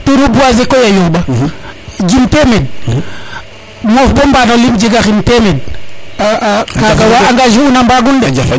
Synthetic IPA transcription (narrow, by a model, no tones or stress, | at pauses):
tuɾubuazekojajoba | d͡ʒimtemed̚ | mofbombanolimd͡ʒiɡaxintemed̚akaɡawaaŋɡaʒiunambaɡundd͡ʒ